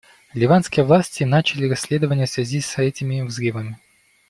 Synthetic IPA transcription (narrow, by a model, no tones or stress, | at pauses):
lʲɪvanskʲɪjəvlˠasʲtʲɪnat͡ɕɪlʲɪɾɐsʲlʲe̞d̪əvənʲɪjəsvʲɪzʲisʲɛtʲɪmʲɪvzɾɨvəmʲɪ